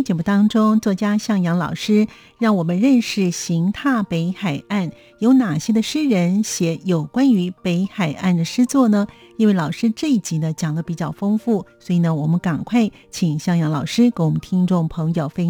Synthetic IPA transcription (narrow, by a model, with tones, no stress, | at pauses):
t͡ɕjɛ˨˩mu˥˩t̪ɑ˥ŋʈ͡ʂʊ˥ŋt͡swɔ˥˩t͡ɕja˥ɕjɑ˥˩ŋjɑ˧˥ŋlɑ̰˨˩ʊʂɻ̩˥ | ɻɑ˥˩ŋwɔ˨˩mə˦nɻə˥˧nʂɻ̩˥˩ɕi˧˥ŋt̪ʰa˥˩pe˧˥ɪxa˨˩ɪa˥˩n | jo˧˥ʊna˨˩ɕjɛ˥d̪ə˧ʂɻ̩˥ɻə˧˥nɕjɛ˧˥jo˨˩ʊkwa˥ny˧˥pe˧˥ɪxa˨˩ɪʔa˥˩nd̪ə˩ʂɻ̩˥t͡swɔ˥˩nə˩ | i˥nwe˥˩ɪlɑ˨˩ʊʂɻ̩˥ʈ͡ʂɤ˥˧i˥˩t͡ɕi˧˥nə˧t͡ɕjɑ˨˩ŋlə˦pi˨˩t͡ɕjɑ˥˩ʊfo˥ŋfu˥˩swɔ˧˥i˨˩nə˦wɔ˨˩mə˦nka˨˩nkʰwa˥˩ɪ | t͡ɕʰi˨˩ŋɕjɑ˥˩ŋjɑ˧˥ŋlɑ˨˩ʊʂɻ̩˥ke˧˥nwɔ˨˩mə˦n˦t̪ʰi˥ŋʈ͡ʂʊ˥˩ŋpʰɤ˧˥ŋjo˨˩ʊfe˥